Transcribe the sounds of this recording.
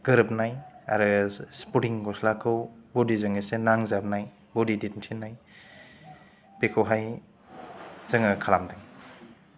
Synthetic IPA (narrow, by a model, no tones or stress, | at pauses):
ɡ̥ɯɾɯp̚naja̰ɾɯsputiŋɡɔslakʰɯwbodizaŋesenaŋzap̚naj | bodiditntʰinːaj | pekʰɯwɦaj | z̥ɯŋakʰalamdaj